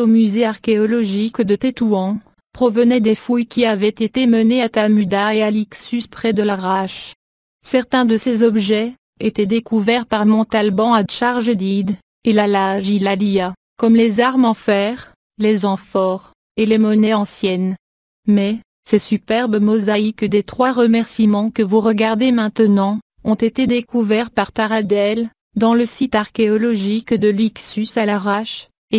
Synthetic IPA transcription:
omyzeaʁkʲeɔlɔʒikd̪ət̪et̪uɑ̃ | pχɔvənɛd̪efujkʲiavɛt̪et̪eməneat̪amyd̪aealiksyspχɛd̪əlaʁaʃ | sɛʁt̪ɛ̃d̪əsezɔbʒɛ | et̪ɛd̪ekuvɛʁpaʁmɔ̃t̪albɑ̃aʃaʁʒəd̪id̪ | elalaʒilalija | kɔmlezaʁmɑ̃fɛʁ | lezɑ̃fɔːʁ | elemɔnɛɑ̃sjɛn | mɛ | sɛsypɛʁbəmɔzaikd̪et̪χwaʁəmɛʁsimɑ̃kəvuʁəɡaʁd̪emɛ̃t̪ənɑ̃ | ɔ̃t̪et̪ed̪ekuvɛʁpaʁt̪aʁad̪ɛl | d̪ɑ̃ləsit̪aʁkʲeɔlɔʒikd̪əlyksysalaʁaʃ | e

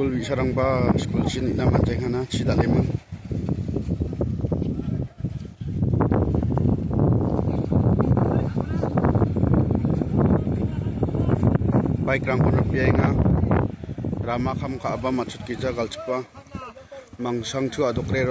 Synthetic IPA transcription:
ulbisaɾaŋbaskulsʰinit̚namand͡ʒajŋʰanat͡ʃʰidalemɯŋ | bajkɾaŋkɔnapijajŋa | ɾamakʰamkʰaʔbamat͡ʃʰut̚kizaɡaltʰɯ̥k̚pa | maŋsaŋtʰuadɔkɾeɾɔ

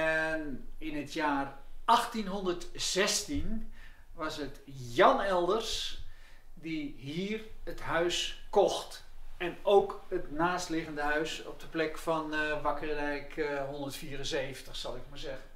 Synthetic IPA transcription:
ɛnɪnətʰjaːrʔɑχtinɦɔndərtsɛstin | ʋɑsət | jɑnɛlˠdərs | diɦiːrətɦœɥskɔxt | ɛnowkətnaːstlɪɣəndəɦœɥsɔ̰p̚dəplɛkfɑnʋakərɛjkɦɔndərtfiːɾənseːvəntəχsɑlˠɪkmazɛɣən

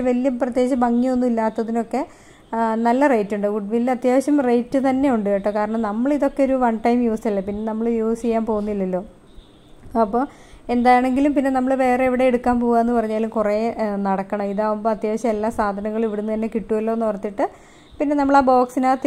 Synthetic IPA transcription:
ʋɐlijɐprɐt̪jeːt͡ɕɐmbɐŋːionːuilːaːt̪ːɐðino̞kːe̞ | nɐlːɐrejtːuɳɖɨɡuɖʋilːɐt̪jaːʋɐɕɐmrejtːɨt̪ɐnːe̞juɳɖɨeʈːokaːɾɐɳɐmnɐmːɐɭiðo̞kːeo̞ɾuʋɐɳʈɐjmjuːstɐlːɐpinːe̞nɐmːɐɭjuːsijaːnpo̞ːɣunːilːɐlːo̞ː | ɐpːoː | e̞nd̪aːjaɳe̞ŋɡilumpinːe̞nɐmːɐɭʋe̞ːre̞iʋiɽe̞ːɽukːaːnpoːɣaːenːɨpɐrɐɲːaːlumkurenɐɽɐkːɐɳɐmiðaːʋumboːɐt̪jaːʋɐɕɐmelːaːsaːd̪ʱɐnɐŋːɐɭiʋiɽunːɨt̪ɐnːe̞kiʈːuʋɐlːo̞ːenːupɐrɐt̪ːiʈːɨ | pinːe̞nɐmːɐɭaːbo̞ːksinaːt̪

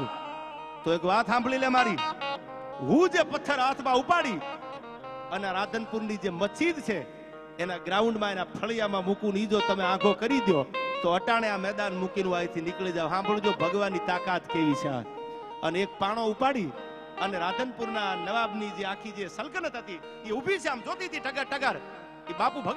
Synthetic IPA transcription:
t̪oekʋãt̪ɦãmblilemaɾi | ɦũd͡ʒepət̪ʰːəɾat̪ʰmãupaɽi | ənaɾad̪ʱənpuɾnid͡ʒeməsid̪t͡ʃʰeː | naɡɾauɳɖmãenapʰəɭijamãmũkunid͡ʒot̪əmeãɡʰokəɾid̪jot̪oəʈaɽ̃eãmɛd̪anmukinũajt̪ʰinɪklid͡ʒaʋɦãbəɽ̃ũd͡ʒobʱəɡʋanːit̪akat̪keʋit͡ʃʰa̰ | ənek̚paɽ̃oupaɽi | əneɾad̪ʱənpuɾnanəʋabnid͡ʒeakʰid͡ʒesəlkənət̪ɦət̪i | iubʱit͡ʃʰeamd͡ʒot̪it̪ʰiʈəɡaɾʈəɡaɾ | ibapũbʱəɡ

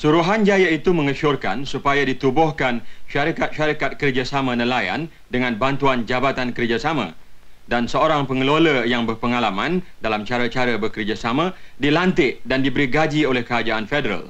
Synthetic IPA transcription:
suɾuɦand͡ʒajait̪umə̃ŋəʃʊrka̰nsupajadit̪ubɔhkanʃaɾikat̪̚ʃaɾikat̪̚kərd͡ʒasamãnə̃laja̰n | dəŋãnbant̪uand͡ʒabat̪ankərd͡ʒasamã̰dansəoɾaŋpəŋəloləjaŋbərpəŋalamãndalamt͡ʃaɾat͡ʃaɾabərkərd͡ʒasamãdilant̪ɪʔdandibəɾiɡad͡ʒiolɛhkəɾad͡ʒaanfedəɾa̰l

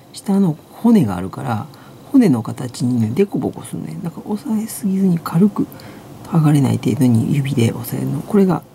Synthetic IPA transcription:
ɕi̥t̪ano̞ | ho̞ne̞ɡa̰ːɾɯ̟kaɾa | ho̞ne̞no̞kat̪at͡ɕiɲ̟id̪e̞kobo̞ko̞̰sɨnoed̪akaʔo̞saesɨɡʲizɨɲ̟ikʰaɾɯ̟kɯ̟ | haɡaɾe̞na̰ḭt̪e̞ːd̪o̞ɲ̟ḭjɯ̟bʲid̪e̞ʔo̞sae̞̰ɾɯno̞̰ko̞ɾe̞ɡa̰

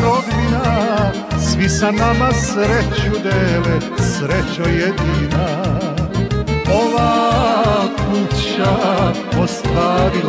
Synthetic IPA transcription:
ɾod̪bina | sʋisanamasɾet͡ɕud̪eːlesɾet͡ɕojed̪ina | oʋaː | kut͡ɕa | ost̪ʋaːɾi

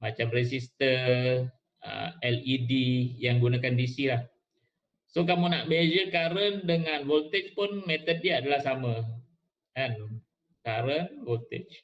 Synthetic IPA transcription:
mat͡ʃamresist̪ə | ə̰ɛlidijaŋɡunakandisilah | sok̬amunaʔbed͡ʒəkaɾəndəŋanvolt̪et͡ʃpʊnmet̪ət̚diadalahsamə | kan | kaɾənvolt̪ḛt͡ʃ

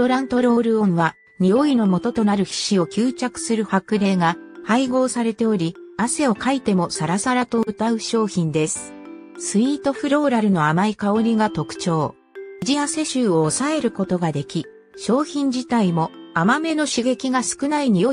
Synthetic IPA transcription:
oɾãnt̪o̞ɾo̞ːɾɯ̟õ̞ɰ̃βa | ɲ̟io̞ino̞mo̞t̪o̞t̪o̞naɾɯ̟çi̥ɕio̞kʲɨːt͡ɕakɯ̟̥sɨɾɯ̟hakɯ̟ɾe̞ːɡahaiɡo̞ːsaɾe̞t̪e̞o̞ɾʲiase̞o̞kait̪e̞mo̞saɾasaɾat̪o̞ɯ̟t̪aɯ̟ɕo̞ːçĩnd̪e̞sɨ̥ | sɨiːt̪o̞ɸɯ̟ɾo̞ːɾaɾɯ̟no̞amaikao̞ɾʲiɡat̪o̞kɯ̟̥t͡ɕo̞ː | d͡ʑiase̞ɕɨːoːsae̞ɾɯ̟ko̞t̪o̞ɡad̪e̞kʲi | ɕo̞ːçĩɲ̟d͡ʑit̪aimo̞amame̞no̞ɕiɡe̞kʲiɡasɨ̥kɯ̟naiɲ̟io

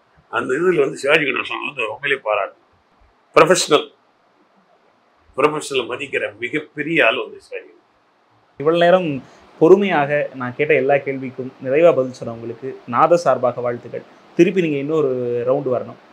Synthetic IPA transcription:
ɐnd̪ɐðɪlʋɐnd̪ɯsɪʋaːd͡ʒɪkːɐnã̰ːsɔnːɐ̰ɐnd̪ɐɾɔmbɐlijɐpaːɾa̰ːʈːɯ | pɪɾɐfɐʂɐnɐl | pɪɾɐfɐʂɐnɐlmɐðɪkːɪɾɐmɪɣɐpːɛɾɪjaːlʋɐnd̪ɯsɪʋaːd͡ʒɪkːɐɳ | ɪʋːɐɭoneːɾɐm | pɔɾɯmɐjaːɣɐnãːkeːʈːɐɛlːaːkeːɭʋɪkːɯmnɪɾɐɪʋaːbɐðɪlsɔnːɐʋʊŋɡɐɭɯkːɯnaːðɐsaːɾbaːɣɐʋaːɻt̪ːɯɣɐ̰ɭ | t̪ɪɾɯp̬ːiniːŋɡɐɪnːɐ̃ɔɾɯɾɐʊɳɖɯʋɐɾɐɳʊ̰m

